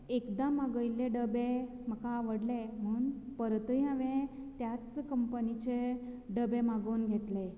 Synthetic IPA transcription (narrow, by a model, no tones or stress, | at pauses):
ekd̪amaɡəjleɖəbe | m̤əkaʋəɽlem̤əuːnpəɾt̪əjaʋẽt̪jat͡skəmpənit͡ɕeɖəbemaɡonɡʱet̪le